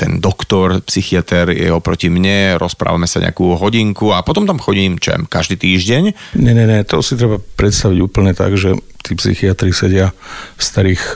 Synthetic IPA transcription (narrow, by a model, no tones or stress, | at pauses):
t̪ɛ̰nd̪ɔkt̪ɔɾpsixiat̪ɛɾjɛ̰ɔpɾɔcimɲɛɾʔɔspɾa̰ːʋamɛsaɲɛ̰a̰kuːɦɔɟiŋkuapɔt̪ɔmt̪amxɔɟiːmt͡ʃɛ̰mkaʒd̪iːt̪iːʒɟɛɲ | ɲɛɲɛɲɛt̪ɔsit̪ɾɛbapɾɛt̪st̪aʋiɟuːpl̩ɲɛt̪a̰ɡʒɛ | t̪iːpsḭxiat̪ɾisɛɟɪafst̪aɾiːx